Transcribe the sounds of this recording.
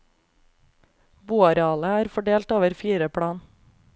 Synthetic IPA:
buːɑɾɛɑːləæːɾfɔɖeːlt̪oːʋəɾfiːɾəpʰɽɑːn

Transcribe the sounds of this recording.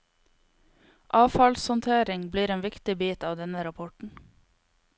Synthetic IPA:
ʔɑːfɑlshɔnt̪ʰeːɾɪŋbliːɾeːnʋɪkt̪ɪbiːt̪ɑːʋd̪ɛnəɾɑpʰɔʈɳ̩

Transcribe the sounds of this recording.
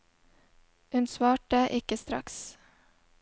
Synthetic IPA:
hʉnsʋɑːʈəʔɪkəst̪ɾɑ̰ks

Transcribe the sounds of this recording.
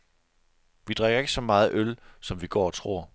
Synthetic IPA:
ʋid̥ʁeɡ̥ɐe̝ɡ̥əsɒ̽mɑ̈ːð̞̩ˠʔølsɒ̽mʋiɡ̥ɒ̰ːɒ̽t͡sʰʁo̝̰ːɐ̰

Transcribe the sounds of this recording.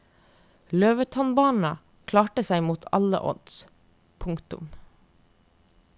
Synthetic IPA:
løːʋət̪ʰɔnbɑːɳn̩ɑ | kʰlɑːʈəsæɪmuːt̪ʰɑ̰lə̰ʔɔ̰d̪s | pʰʊŋkt̪ʊ̰m

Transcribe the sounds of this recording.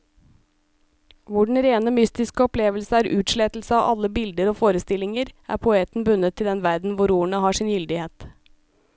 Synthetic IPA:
ʋʊɖɳ̩ɾeːnəmʏst̪ɪskəɔpleːʋəlsəæːɾʔʉːt̪ʃɭeːt̪l̩səɑːʔɑləbɪld̪əɾoːfoːɾəst̪ɪlɪŋəɾʔæ̰ːɾpʰʊeːt̪n̩bʉnət̪ʰːɪld̪ɛnʋæɾd̪n̩ʋʊɾuːɳəhɑːʂɪːnjʏld̪ɪheːt̪

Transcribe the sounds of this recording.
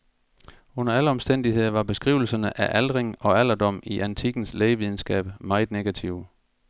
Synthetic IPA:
ɔ̽nɐæləɒ̽msd̥en̰d̥ihe̝ð̞̰ˠɐʋɑ̈b̥e̝sɡ̥ʁḭʊl̩sɐnəʔæʔæld̥ʁeŋɒ̽æl̰ɐd̥ɒ̽m̰iʔænt͡sʰiɡ̥n̩sleɪʋið̞ˠn̩sɡ̥ɛ̰ːb̥mɑ̈ɪð̩ˠneɡ̥æt͡sʰiʊ

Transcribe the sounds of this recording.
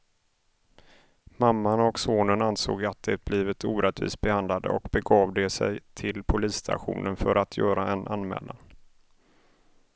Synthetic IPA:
mamːanɔksoːnənanso̰ːɡat̪̚d̪ɛb̥liːvɪt̪uːɾɛt̪vḭːsbɛhand̪lad̪ə̰ɔkbɛɡɑːvd̪ɛsɛjt̪ʰɪlpʰʊliːst̪ʰa̰ɧṵːnənfœɾʔat̪ʰjœːɾaɛnʔanmɛ̰ːlan

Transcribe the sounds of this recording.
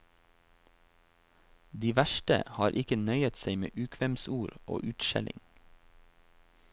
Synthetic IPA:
d̪iːʋæʃʈə̰hɑːɾʔɪkənœʏət̪seɪmḛːʔʉːkʰʋɛmsuːɾʔo̰ːʔʉːt̪ʃɛ̰lʔɪ̰ŋ

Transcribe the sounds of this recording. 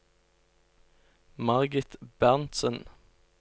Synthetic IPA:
mɑʁɡɪt̪bæʁnt̪sən

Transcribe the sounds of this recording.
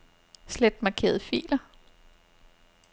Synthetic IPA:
sled̥mɑ̈kʰe̝̰ːɐð̩ˠfḭːlɐ

